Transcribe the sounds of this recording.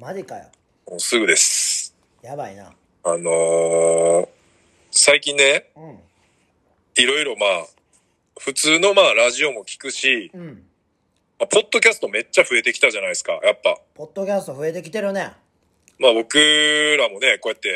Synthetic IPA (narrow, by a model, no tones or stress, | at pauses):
mad͡ʑikajo | moːsɨɡɯ̟d̪e̞sɨ̥ | jabaina̰ | ano̞ | saikʲĩnːe̞ | iɾo̞iɾo̞maː | ɸɯ̟t͡sɨːno̞maːɾaʑio̞mo̞kʲi̥kɯ̟ɕĩ | mapo̞d̪̥ːo̞kʲasɨ̥t̪o̞me̞t͡ɕːaɸɯ̟e̞t̪e̞kʲi̥t̪aʑanaisɨ̥ka̰japːa̰pod̪ːokʲasɨ̥t̪oɸɯ̟e̞t̪e̞kʲit̪e̞ɾɯne | maːbo̞kɯ̟ɾamo̞ne̞ko̞jat̪ːe̞